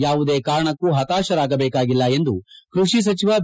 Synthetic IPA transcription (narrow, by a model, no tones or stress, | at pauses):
jaːʋud̪e̞ːkaːɾɐɳɐkːuɦɐt̪aːʃɐɾaːɡɐbeːkaːɡilːɐe̞nd̪ukɾuʂis̬ɐt͡ʃiʋɐb